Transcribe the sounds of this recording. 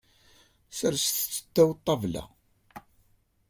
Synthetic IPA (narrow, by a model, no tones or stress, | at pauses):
səɾsθt͡sːə̥t̪ːæwt̪ˤːɑvlæ̰